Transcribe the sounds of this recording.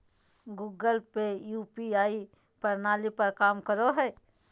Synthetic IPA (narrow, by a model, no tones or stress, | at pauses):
ɡuːɡəlpejuːpiaːi | pɐɾnaːlipɐɾkaːmkəɾoɦɛː